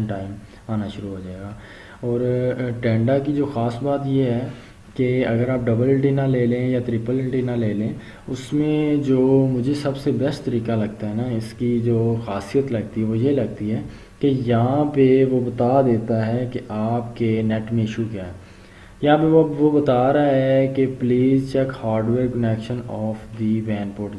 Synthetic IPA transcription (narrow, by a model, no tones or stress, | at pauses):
ɳʈaːɪm | aːnaʃʊɾuɦod͡ʒaːeːɡaː | ɔːɾʈɛ̃ːɳɖakid͡ʒoːxaːsbaːt̪jeɦɛ | keɐɡəɾaːp̚ɖɐbəlʈinaleːlẽjat̪ɾɪpəlʈinaleːlẽː | ʊsmẽd͡ʒoːmʊd͡ʒʱesɐbsebɛst̪t̪ɐɾiːkalɐɡt̪aɦɛnaɪskid͡ʒoːxaːsijət̪lɐɡ̚t̪iɦɛʋojelɐɡ̚t̪iɦɛː | kejɐɦããpeʋobɐt̪aːd̪eːt̪aɦɛkeʔaːpkenɛʈmẽɪʃukjaːɦɛː | jɐɦãpeʋɐʋobɐt̪aːɾaɦɦɛkepliːzt͡ʃɛkhaːɾɖʋeːɾkənɛːkʃənɔːfd̪iʋɛ̃ːnpoːɾʈ